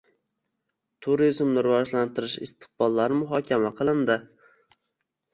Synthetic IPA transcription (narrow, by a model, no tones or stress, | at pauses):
t̪ʰʊɾizmnɪɾʊvɒʒlant̪ɪɾɪʃɪ̰st̪ɨ̥q̚bɒlˠːaɾɪmʊɦɒkʲʰamaqʰɨlˠɪnd̪ɪ